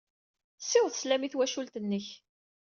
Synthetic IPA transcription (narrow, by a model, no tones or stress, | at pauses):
sːɪðˤθəslæmiθwæʃult̪ənːəç